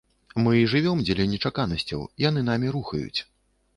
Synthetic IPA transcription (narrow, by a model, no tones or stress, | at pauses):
mɨiʐɨvʲɔmd͡zʲɛlʲɐnʲɛt͡ʂakanɐsʲt͡sʲɐ̰wijanɨn̪amʲiɾuxɐ̰jṵt͡sʲ